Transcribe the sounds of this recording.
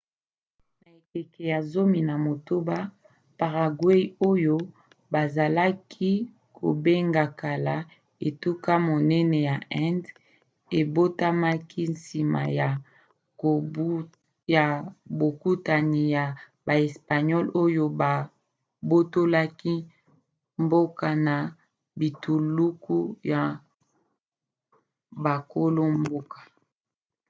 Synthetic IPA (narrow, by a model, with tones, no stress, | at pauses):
na˨e˨ke˨ke˨ja˨zo˦mi˨na˨mo˨to˦ba˦ | pa˨ʁa˨ɡwe˦i˦o˦jo˦ | ba˨za˨la˦kʰi˦ | kʰo̰˨be˦ŋɡa˨ka˨la˨ | e˨tu˦ka˦mo˨nɛ˦nɛ˨ja˨ʔɛ˦nd | e˨bo˦ta˦ma˦ki˦nsi˨ma̰˨ja˨˦ | ja˨bo˨ku˦ta˨ni˨ja˨ | ba˨e˨spa˨ɲɔ˦lo˦jo˦ba˨ | bo˦to˦la˦ki˦ | mbo˦ka˨na˨ | bi˨tu˨lu˦ku˦ja˨ | ba˨ko˦lo˦mbo˦kḁ˨